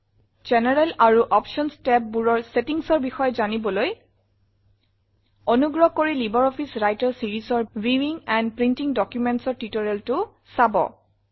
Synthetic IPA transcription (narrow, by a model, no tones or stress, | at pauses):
d͡ʒenɛɹɛlaɹuʔɔpʃɔnstɛp̚buɹɔɹsetiŋsɔɹbixɔjɔzanibɔloj | ɔnuɡɹɔkoɹilibɔɹɔpʰisɹajtɔɹsiɹisɔɹɹiwiŋɛnpɹintiŋdɔkjumentsɔɹtitɔɹɛltʊ | sabɔ̰